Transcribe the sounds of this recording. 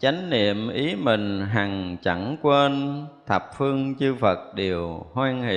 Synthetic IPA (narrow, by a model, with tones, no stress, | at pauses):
t͡ɕa˨˦jŋ̟nḭ˧˨əmʔi˨˦mï˨˩ŋ̟ɦa˨˩ŋt͡ɕə˧˩ŋkwe˧nt̪ʰə˨˩p̚fɨ˧əŋt͡ɕɨ˧və˨˩t̚ɗe˨˩əwhwaː˧nhḭ˧˨